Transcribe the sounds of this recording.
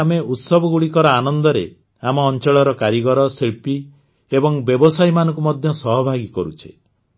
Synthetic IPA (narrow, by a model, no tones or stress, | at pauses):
ameʔut̪sɔbɔɡuɽikɔɾɔanɔnd̪ɔɾe | amɔːnt͡ʃɔɭɔɾɔkaɾiɡɔɾɔsiɭpi | ebɔŋbjɔbɔsajmanɔ̃ŋkumɔd̪ʱjɔsɔɦɔbʱaɡikɔɾut͡ʃʰe̥